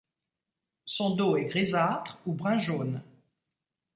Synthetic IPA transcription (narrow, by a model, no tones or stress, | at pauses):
sɔ̃d̪oɛɡʁezat̪χubʁɛ̃ʒoːn